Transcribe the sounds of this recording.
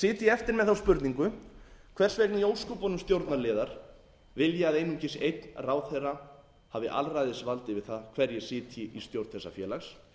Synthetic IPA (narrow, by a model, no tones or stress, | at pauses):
sɪːt̪ɪɛft̪ɪɾmɛðθawspʏɾt̪niŋkʏkʰvɛr̥svɛknɪjoːwskʏpɔnʏmst̪jowɾt̪naɾlɪːðaɾ̥ | vɪljɛaðejnumcɪsʔejt̪nraːwθejrːa | haːvɪʔa̰lrajðɪsvalt̪ɪvɪðθaðkʰvɛɾjɛsɪːt̪ʰɪʔist̪jowɾt̪θɛsafjɛːlaxs